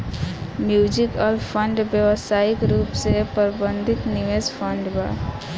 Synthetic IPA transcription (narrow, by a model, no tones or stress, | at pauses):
mjuːd͡ʒikɔːɾpʰəɳɖbjəʋəsaːikɾuːpsepəɾbə̃nd̪ʱɪt̪nɪʋeːzpʰə̃ɳɖba̰